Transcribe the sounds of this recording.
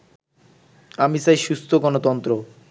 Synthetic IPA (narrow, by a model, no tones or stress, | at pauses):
amisajʃust̪ʰoɡɔnot̪ɔnt̪ɾo